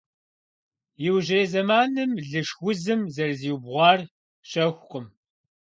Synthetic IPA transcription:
jɪwʒeːzɐmaːnɨmɮɨʂwʷʊzɨmzɐrziːwbʁʷɑːr | ɕɐxʷqʷʼʊm

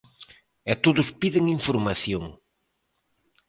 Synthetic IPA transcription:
ɛt̪oðʊspiðeŋiɱfuɾmaθjoŋ

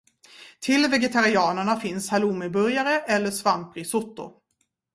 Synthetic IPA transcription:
t̪ʰɪlvɛɡɛt̪ʰaɾɪɑːnəɳafɪnshaluːmɪbɵɾjaɾəʔɛlːəʂvampɾɪsʊt̪ːʊ̰

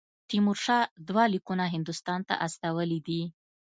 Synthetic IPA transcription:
t̪imʊɾʃɑd̪wɑlikunaɦɪnd̪ʊst̪ɑnt̪a̰ʔast̪awəlid̪i

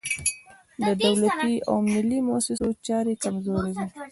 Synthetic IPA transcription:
d̪əd̪awlat̪ia̰wmɪlimʊasɪsot͡ʃɑɾekamzoɾawi

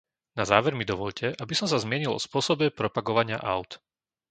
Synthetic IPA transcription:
nazaːʋɛɾmid̪ɔʋɔʎcʰɛʔabisɔmsazmɪɛɲilʔɔ̰spʊɔsɔbɛpɾɔpaɡɔʋaɲɪa̰ʔa̰ʊt̪

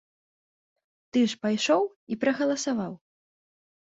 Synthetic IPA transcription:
t̪ɨʂpajʂɔw | ipɾɐɣɐlˠɐsavaw

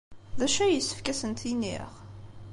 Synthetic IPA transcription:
ðæʃæjəsːə̥fkæsənt̪inːḭʁ

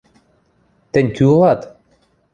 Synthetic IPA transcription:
t̪enʲkʲyolˠɑt̪

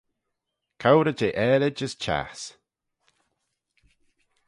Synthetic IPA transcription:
kʰawɾəd͡ʒeːʔɛːlɪd͡ʒəst͡ʃʰa̰s

